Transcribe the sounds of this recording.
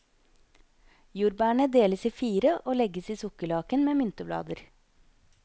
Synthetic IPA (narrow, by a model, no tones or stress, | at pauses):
juːɾbæːɳəd̪eːləsiːfiːɾəʔoːlɛɡəsiːsʊkəɭɑːkənmeːmʏnt̪əblɑ̰ːd̪əɾ